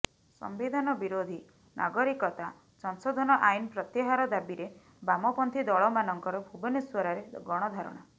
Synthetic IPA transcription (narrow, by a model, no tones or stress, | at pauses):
sɔ̰mbid̪ʱanɔbiɾod̪ʱi | nʔa̰ɡɔɾikɔt̪a | sɔnsɔd̪ʱɔnɔʔajnpɾɔt̪jeɦaɾɔd̪abiɾe | bamɔpɔnt̪ʰid̪ɔɭɔmanɔŋkɔɾɔbʱubɔneswɔɾaɾeɡɔɽ̃ɔd̪ʱaɾɔ̰ɽ̃a